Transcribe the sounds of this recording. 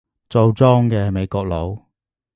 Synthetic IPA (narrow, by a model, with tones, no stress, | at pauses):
t͡so˧wt͡sɔː˥ŋkɛː˧me˨˧jkɔː˧k̚lo˨˧w